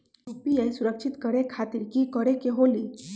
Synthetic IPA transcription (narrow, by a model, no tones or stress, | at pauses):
ɾupiejsuɾəkʃʰit̪kəɾekʰat̪iɾkikɔɽekeɦoli